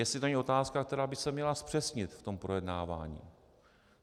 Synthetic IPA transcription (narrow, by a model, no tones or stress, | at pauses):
jɛst̪lɪt̪oɛɲɛʔo̞t̪aːskakt̪ɛɾaːbɪsɛmɲɛlaspr̝̥ɛsɲɪt̪ft̪o̞mpɾojɛdnaːva̰ːɲḭː